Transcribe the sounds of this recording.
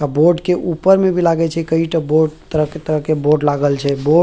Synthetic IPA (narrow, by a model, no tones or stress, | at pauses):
aboɾɖkeʔupəɾmebʱilaɡɛt͡ʃʰɛkəiʈəboɾɖt̪əɾəɦket̪əɾəɦkeboɾɖlaɡəlt͡ʃʰɛbo